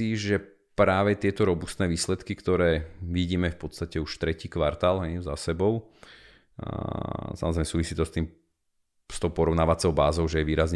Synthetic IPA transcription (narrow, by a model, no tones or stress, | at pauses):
iʒɛ | pɾaːʋɛt̪ɪɛt̪ɔɾɔbust̪nɛːʋiːslɛt̪kikt̪ɔɾɛːʋiɟiːmɛfpɔt̪st̪acɛuʃt̪ɾɛciːkʋaɾt̪aːlɦɛjza̰sɛbɔʊ | samɔzɾɛɪmɛsuːʋisiːt̪ɔst̪iːm | st̪ɔʊpɔɾɔʊnaːʋat͡sɔʊbaːzɔʊʒɛjɛʋiːɾazɲ